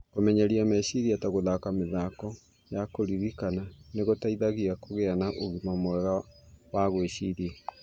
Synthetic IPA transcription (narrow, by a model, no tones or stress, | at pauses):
komɛɲaɾiamɛɕiɾiataɣoðakameðakɔ | jakoɾiɾikananeɣotaiðaɣiakoɣeanaʔoɣimamwɛɣawaɣweʃiɾie